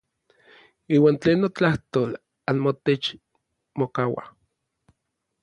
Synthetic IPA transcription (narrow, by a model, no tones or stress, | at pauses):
iːwaːnt͡ɬeːnːot͡ɬaht̪oːl | anmot̪et͡ʃ | mokawa̰